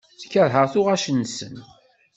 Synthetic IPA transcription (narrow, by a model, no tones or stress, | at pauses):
θəkːæɾɦəʁθʊʁæʃənsə̰n